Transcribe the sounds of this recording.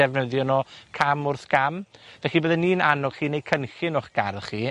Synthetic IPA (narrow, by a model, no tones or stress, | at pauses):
ɛvnəðjɔnɔkʰamʊrθɡ̥amvvɛχibəːðɛniːnanɔ̥χiːnejkʰənxɪnʊχɡ̥aɾχiː